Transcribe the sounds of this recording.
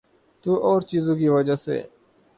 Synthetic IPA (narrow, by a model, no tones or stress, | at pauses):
t̪uːʔoːɾt͡ʃiːzõːkiːʋəd͡ʒaːsḛː